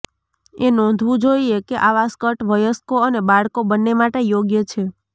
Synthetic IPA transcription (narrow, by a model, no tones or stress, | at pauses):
enɔ̃nd̪ʱʋũd͡ʒoiekeʔaʋaskəʈʋəjəskoənebaɭkobənːemaʈejoɡjət͡ʃʰe